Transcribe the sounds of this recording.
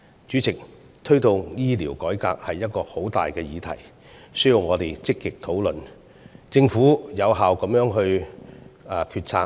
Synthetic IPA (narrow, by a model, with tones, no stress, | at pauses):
t͡ʃyː˨˥t͡sɪ˨k̚ | t̪ʰɵ˥ɥt̪ʊ˨ŋjiː˥liː˨˩wkɔː˨˥jkaː˧k̚hɐ˨jːɐ˥t̚kɔː˧ho˨˥wt̪aː˨jkɛː˧jiː˨˧t̪ʰɐ̰˨˩j | sɵ˥ɥji˨˧wŋɔː˨˧t̪e˨˩jt͡sɪ˥kːɪ˨k̚t̪ʰo˨˥wlɵ˨n | t͡sɪ˧ŋfuː˨˥jɐ˨˧wɦaː˨wkɐ˨˧˥mjœː˨˥ŋɦɵ˧ɥː | kʰyː˧t̚t͡sʰaː˧